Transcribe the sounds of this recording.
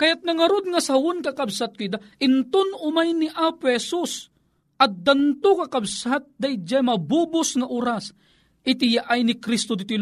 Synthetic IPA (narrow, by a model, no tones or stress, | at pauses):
kɐjat̪̚nɐŋɐɾod̪̚ŋɐsawʊnkakabsat̪̚kʊid̪aʔɪnt̪ʊnʊmajnɪʔaːpʊhɛsus | ʔɐt̪̚d̪ant̪ʊkakabsat̪̚d̪ajd͡ʒajmɐbubʊsŋaʔoɾas | ʔɪt̪ɪjaʔajnɪkɾist̪od̪ɪt̪il